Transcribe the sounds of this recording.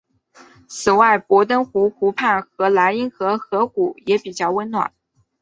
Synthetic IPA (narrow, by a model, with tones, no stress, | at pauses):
t͡sʰɹ̩˨˩wa˥˩ɪpwɔ˧˥t̪ə˥nxu˧˥xʰu˧˥pʰa˥˩nxɤ˧˥la˧˥ɪi˥ŋxɤ˧˥xɤ˧˥ku˨˩jɛ˧˥pi˨˩t͡ɕjɑ˥˩ʊwə˥nnwa̰˨˩˦n